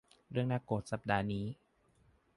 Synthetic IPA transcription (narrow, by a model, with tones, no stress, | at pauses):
ɾɯ˥˩əŋna˦˥kːoː˨˩t̪̚sa˨˩p̚daː˧niː˦˥